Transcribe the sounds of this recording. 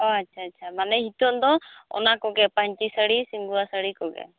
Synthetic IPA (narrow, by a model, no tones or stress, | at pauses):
ɔatːt͡ʃʰaːtːt͡ʃʰamanɛɦit̪ɔʔd̪ɔɔ̰nakɔɡɛpaɲt͡ʃisəɽisiŋɡuasəɽikɔɡɛ̰